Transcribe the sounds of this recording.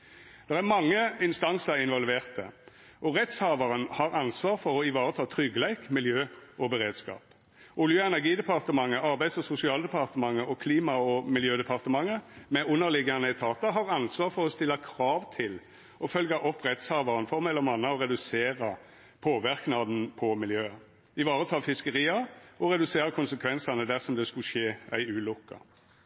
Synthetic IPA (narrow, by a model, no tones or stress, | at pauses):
d̪̥ɛʁæɾmɑŋːəɪnst̪ɑnsəʁɪnʋɔlʋeːʁt̪ə̰ | ʔɔʁɛt̪shɑːʋɑʁənhɑʁɑnsʋɑːʁfɔʁɔɪʋɑːʁət̪ʰɑːt̪ʰʁʏɡəlæɪkmɪljøːʔɔbəʁeːd̪skɑ̰ːp | ʔʊljøːɛnæʁɡiːd̪ɛpʰɑʁt̪əmɑŋːəʔɑʁbæɪd̪sɔsʊsɪɑːləd̪əɛpʰɑʁt̪əmɑŋːəʔɔkʰliːmɑɔmɪljøːd̪ɛpʰɑʁt̪əmɑŋːəmɛʔʊnːəʁlɪɡɑnəɛɪt̪ʰɑːt̪ɑɦɑʁɑnsʋɑːʁfɔʁɔst̪ɪlːɑkʰʁɑːʋt̪ʰɪl | ɔfœlɡɑʔɔpʰʁɛt̪shɑːʋɑʁənfɔʁmɛlːɔmɑnːɑɔʁɛd̪ʉseːʁɑ | pʰoːʋɪʁknɑd̪n̩pʰɔmɪljøː | ɪʋɑːʁət̪ʰɑːfɪskəʁiːɑɔɾɛd̪ʉseːɾəkʰʊnsəkʰʋɛnsɑnəd̪æʁsɔmd̪ɛskʉʃeːæ̰ɪʉːlʊkːɑ̰